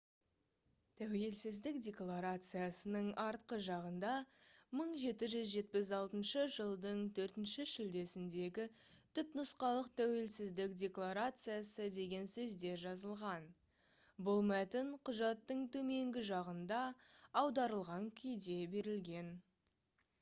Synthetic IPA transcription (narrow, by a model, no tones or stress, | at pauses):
t̪ʰæwe̞lsɪzd̪ɪkdʲe̞klˠaɾat̪sɨjasənəɴɑɾt̪qəʒɑʁənd̪ɑməɴʒe̞t̪ɪʒʏzʒe̞t̪̚pɪzɑlˠt̪ənʃəʒəlˠd̪əɴt̪ʰɵɾt̪ɪnʃɪʃʏld̪e̞sɪnd̪e̞ɡʲɪt̪ʰʏpnʊsqɑlˠəq̚t̪ʰæwe̞lsɪzd̪ɪkdʲe̞klˠaɾat̪sɨjasəd̪e̞ɡʲe̞nsɵzd̪e̞ʒɑzəlˠʁɑn | bʊlˠmæt̪ɪɴqʰʊʒɑt̪ːəɴt̪ʰɵme̞ŋɡʲɪʒɑʁənd̪ɑːwd̪ɑɾəlˠʁɑŋkʲʰʏjd̪e̞be̞ɾɪlɡʲe̞n